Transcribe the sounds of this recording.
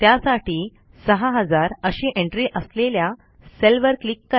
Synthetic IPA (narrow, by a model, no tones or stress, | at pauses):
t̪jasaʈiː | səɦaɦəd͡zaɾəɕiːʔẽɳʈɾiːʔəslelja | selʋəɾklikːə